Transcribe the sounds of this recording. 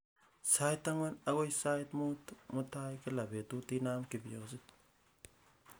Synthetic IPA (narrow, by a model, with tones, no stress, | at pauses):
sa˦jt̪ːa˦ŋwa˦na˦ɣo˦jsa˦jtmu˦tmu˦ta˦jki˦la˨be˨t̪u˦ti˦na˦mki˨bi˨jo˨si˦t̪̚